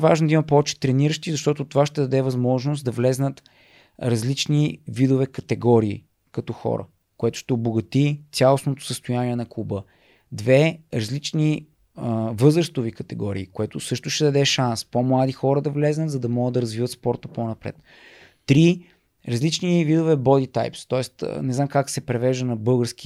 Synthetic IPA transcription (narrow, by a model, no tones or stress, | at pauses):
vaʒnod̪ɐimɐpɔvɛt͡ʃɛ̥t̪ɾɛniɾəʃt̪izɐʃt̪ɔt̪ot̪ovaʃt̪ɛd̪ɐd̪ɛvɐzmɔʒnosd̪ɐvlɛznət̪ | ɾɐzlit͡ʃnivid̪ʊvɛkɐt̪ɛɡɔɾḭː | kɐt̪ɔxɔ̰ɾə̰ | koɛt̪ʊ̥ʃt̪ɛʊboɡɐt̪it̪ʲalˠosnot̪ʊ̥səst̪ʊjaniɛnɐkubə | d̪vɛɾɐzlit͡ʃni | vɤzɾəst̪vʊvikɐt̪ɛɡɔɾiːkoɛt̪ʊsɤʃt̪ʊʃt̪ɛd̪ɐd̪ɛʃanspomlˠad̪ixɔɾəd̪ɐvlɛznət̪zɐd̪ɐmɔɡəd̪ːɐɾɐzvivət̪spɔɾt̪əponɐpɾɛ̰t̪ː | ɾi | ɾɐzlit͡ʃnivid̪ovɛbɔd̪it̪a̰jpst̪ɔɛst̪nɛznamkaksɛpɾɛvɛʒd̪ənɐbɤlˠɡəɾsk̟i̥